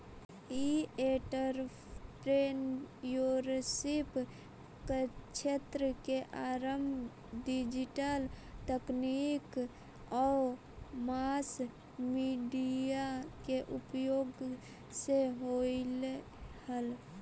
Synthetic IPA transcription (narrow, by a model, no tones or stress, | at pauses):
ieʈəɾ | pɾenjoɾsip | ket͡ʃʰet̪ɾəkeʔaɾəmbʱ | ɖid͡ʒiʈəlt̪əknik | ɔ | mas | miɖijakeʔupjoɡ | seɦol | həl